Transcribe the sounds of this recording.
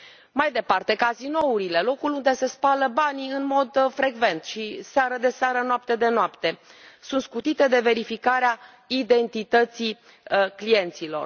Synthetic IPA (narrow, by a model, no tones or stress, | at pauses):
majd̪e̞part̪e̞kazino̞uɾile̞lo̞kulund̪e̞se̞spaləbaniɨnmo̞d̪fɾe̞ɡve̞nt̪ʃiseaɾəd̪e̞seaɾənoap̚t̪e̞d̪e̞noapt̪e̞sunt̪skut̪it̪e̞d̪e̞ve̞ɾifikaɾea | id̪e̞nt̪it̪ət̪si | klije̞nt̪silo̞̰r